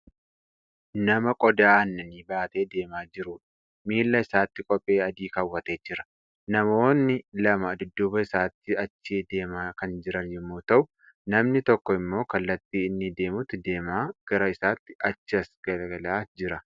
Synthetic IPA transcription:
nɐmɐkʼɔd̪aːɐnːɐniːbaːt̪e̞ːd̪e̞ːmaːd͡ʒɪɾʊᶑ | miːlːɐɪsaːt̪ːɪkʼɔpʼːe̞ːɐd̪iːkɐwːɐt̪e̞ːd͡ʒɪɾɐ̥ | nɐmo̞ːnːɪlɐmɐːd̪ʊd̪ːʊbɐɪsaːt̪ːɪɐt͡ʃːeːd̪e̞ːmaːkɐnd͡ʒɪɾɐnjɛmːoːt̪ɐʔʊ | nɐmnɪt̪ɔkːɔɪmːo̞ːkɐlːɐt̪ːiːɪnːɪd̪e̞ːmʊt̪ːɪd̪e̞ːmaːɡ̥ɐɾɐɪsaːt̪ːɪ̥ʔɐt͡ʃːɪɐsɡ̥ɐlɐɡɐlaːd͡ʒɪɾɐ

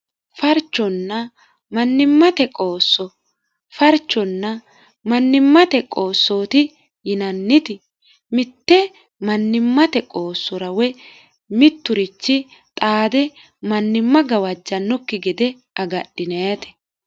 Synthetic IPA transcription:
fɐɾt͡ʃːɔnːɐ | mɐnːɪmːɐt̪ɛkʼoːsːɔ | fɐɾt͡ʃːɔnːɐ | mɐnːɪmːɐt̪ɛkʼo̞ːsːo̞ːt̪ɪ | jɪnɐnːɪt̪ɪ | mɪt̪ːɛ | mɐnːɪmːɐt̪ɛkʼoːsːɔɾɐwɛ | mɪt̪ːʊɾɪt͡ʃːɪt̪ʼaːd̪ɛ | mɐnːɪmːɐɡɐwɐd͡ʒːɐnːɔkːɪɡɪd̪ɛ | ʔɐɡɐɗːɪnɐjɐt̪ɛ̥

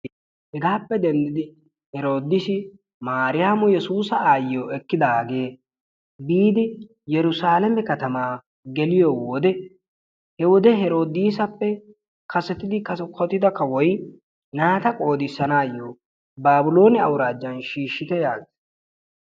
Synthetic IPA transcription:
hɛɡaːpːɛd̪ɛnd̪ɪd̪ɪ | hɛɾo̞ːd̪ɪsɪ | maːɾɪjaːmʊjɛsuːsɐaːjoːɛkːɪd̪aːɡe̞ː | biːd̪ɪ | jɛɾʊsaːlɛmɛkɐt̪ɐmaː | ɡɛlɪjowɔd̪ɛ | hɛwɔd̪ɛɦɛɾo̞ːd̪iːsɐpːɛ | kɐsɛt̪ɪd̪ɪkɐsɛkʰɔt̪ɪd̪ɐkːɐwɔj | naːt̪ɐkʼo̞ːd̪ɪsːɐnaːjːoː | baːbʊlo̞ːnɪɐwɾaːd͡ʒːɐnʃiːʃːɪt̪ɛjaːɡɪs

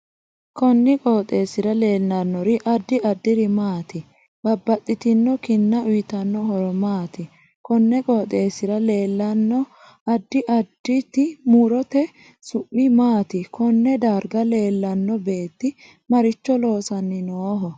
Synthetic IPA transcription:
kɔnːɪkʼoːt̪ʼe̞ːsɪɾɐle̞ːlnɐnːɔɾɪʔɐd̪ːɪɐd̪ːɪɾɪmaːt̪ɪ | b̥ɐbːɐt̪ʼːɪt̪ɪnːɔkɪnːɐʊjɪt̪ɐnːɔɦɔɾɔmaːt̪ɪ | kɔnːɛkʼoːt̪ʼe̞ːsɪɾɐle̞ːlːɐnːɔ | ɐd̪ːɪʔɐd̪̥ːɪt̪ɪmuɾɔt̪ɛ | sʊʔːɪmaːt̪ɪkʰɔnːɛd̪aːɾɡɐle̞ːlːɐnːɔbe̞ːt̪ːɪ | mɐɾɪt͡ʃːɔlo̞ːsɐnːɪnoːɦɔ

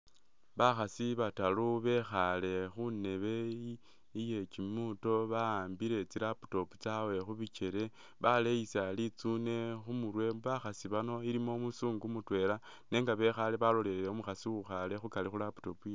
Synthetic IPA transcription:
βaxasiβataluβe̞xale̞xune̞βe̞ | ije̞t͡ʃimuto̞βaaːmbiɾe̞t͡siɾapu̥to̞pu̥t͡sawe̞xuβit͡ʃe̞ɾe̞ | βalejisalit͡sune̞xumuɾwe̞βaxasiβano̞iɾimo̞musuːŋɡumutwe̞ɾa | ne̞ːŋɡaβe̞xale̞βalo̞leleomuxasiwuxale̞xukalixulapu̥to̞puje

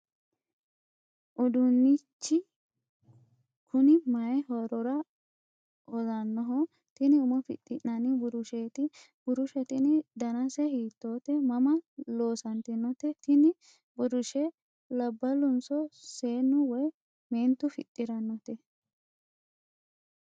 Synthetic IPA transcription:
ʔʊd̪ʊnːɪt͡ʃːɪ | kʰʊnɪmɐjɛhɔɾɔɾɐ | ɔzɐnːɔɦɔ | t̪ɪnɪʊmɔfɪ̰t̪ʼːɪnːɐnɪbʊɾʊʃeːt̪ɪ | bʊɾʊʃɛt̪ɪnɪd̪ɐnɐsɛhiːt̪ːoːt̪ɛmɐmɐlo̞ːsɐnt̪ɪnːɔt̪ɛt̪ɪnɪ | bʊɾʊʃɛ | lɐbːɐlʊnsɔseːnːʊwɔj | meːnt̪ːʊfɪ̰t̪ʼːɪɾɐnːɔt̪ɛ

